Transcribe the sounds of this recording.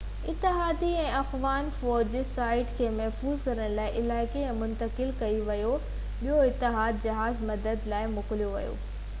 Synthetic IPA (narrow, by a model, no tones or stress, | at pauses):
ɪt̪ːɪɦaːd̪iɛ̃ːɐxʋaːnfɔːd͡ʑsaːɪʈkʰeːmɐɦfuːzkɐɾəɽ̃laːɪʔɪlaːɪkeɛ̃ːmʊ̃nt̪əkɪlkɐiʋɐjo | ɓiɦoɪt̪ːɪɦaːd̪d͡ʑɐɦaːzmɐd̪əd̪laːɪmʊkɪlijoʋɐ̰jo̰ː